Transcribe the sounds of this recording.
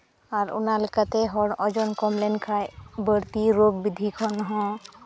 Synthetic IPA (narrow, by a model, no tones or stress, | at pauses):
aɾʊ̰nalkət̪eɦɔɽɔd͡ʒɔnkɔmlenkʰabəɽt̪iɾoɡ̚bid̪ʱikʰɔnɦɔ̃